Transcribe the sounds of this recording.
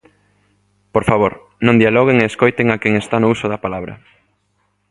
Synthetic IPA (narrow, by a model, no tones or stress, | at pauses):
poɾfaβoɾ | nõŋd̪ialɔɣ̞eŋeːskojt̪eŋakɛŋest̪anʊusʊðɐpalaβɾɐ̰